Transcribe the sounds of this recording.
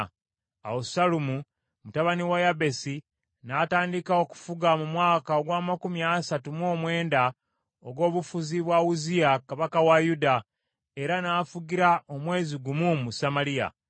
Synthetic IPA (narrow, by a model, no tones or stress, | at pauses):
a̰wosalumu | mutaβaniwajabe̞si | nataːndikao̞ku̥fuɡamumwaːkaoɡwaːmakumjasatumwo̞ːmwe̞ːnda | oɡo̞ːβufuziβwawuzijakaβakawajuda | e̞ɾanaːfuɡiɾaʔo̞mwe̞ːziɡumumusamalija̰